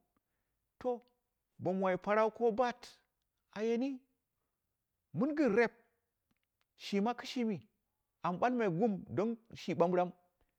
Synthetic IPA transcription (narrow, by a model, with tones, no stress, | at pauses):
to˦ | bo˨mwa˨i˨pa˨ɾa˦u˦ko˦ba˦t | a˨je˨ni˦ | mu˦nɡɨ˨nɾe˦p̚ | ʃi˨ma˦kɨ̥˦ʃi˦mi˨ | a˨mɓa˦lma˨ɡu˦mdo˦nʃi˨ɓa˦mbɾa˦m